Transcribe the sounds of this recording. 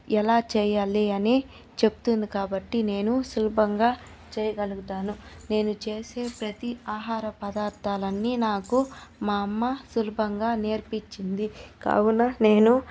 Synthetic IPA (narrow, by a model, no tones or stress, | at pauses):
ɛlaːt͡ʃɛːjaːliɐni | t͡ʃe̞bu̥t̪und̪ikaːbɐʈːine̞ːnusulubɐŋɡaː | t͡ʃɛːjɐɡɐluɡut̪aːnune̞ːnut͡ʃe̞ːse̞ːpɾɐt̪iaːɦaːɾɐpɐd̪aːɾt̪aːlɐnːiːnaːkumaːɐmːɐsulubʱɐŋɡaːneːɾpiɲt͡ʃːind̪ika̰ːwunːɐne̞ːnu